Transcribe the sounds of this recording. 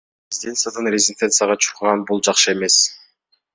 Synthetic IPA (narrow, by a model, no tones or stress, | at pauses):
ɾʲɪzʲid̪ʲent̪sɨjad̪ɯnrʲezʲɪnʲt̪ʲe̞nt̪sɨjaʁɑt͡ʃʰu̥quʁɑnbulˠd͡ʒɑqʃɯe̞me̞s